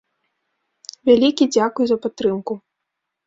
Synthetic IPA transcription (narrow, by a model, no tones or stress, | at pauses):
vʲalʲikʲid͡zʲakujuzɐpat̪ːɾɨmku